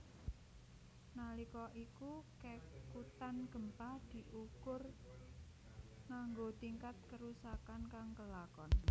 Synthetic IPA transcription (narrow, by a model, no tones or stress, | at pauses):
nalikɔʔikukekut̪anɡ̥ə̤mpad̪̥i̤ʔukʊr | naŋɡot̪iŋkat̪̚kəɾusakankaŋkəlakɔn